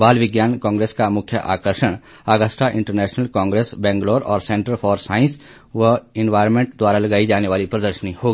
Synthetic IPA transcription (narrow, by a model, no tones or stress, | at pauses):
baːlʋɪɡjaːnkãːŋɡɾeːskamʊkʰjəʔa̰ːkəɾʃəɽ̃ | aːɡəsʈʰaʔɪ̃ɳʈəɾnɛːʃnəlkãːŋɡɾeːsbɛ̃ːŋɡloːɾɔ̰ːɾsɛ̃ɳʈəɾfʰɔːɾsaːɪ̃ns | ʋəɪnʋaːɪɾmẽɳʈd̪waːɾalɐɡaːid͡ʒaːneʋaːlipɾəd̪əɾʃənihoːɡi